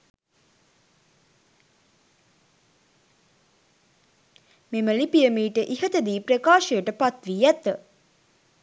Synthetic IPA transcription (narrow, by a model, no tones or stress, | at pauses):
meməlipijəmiːʈəʔiɦət̪əd̪iːpɾekaːʃəjəʈəpat̪ʋiːæt̪ə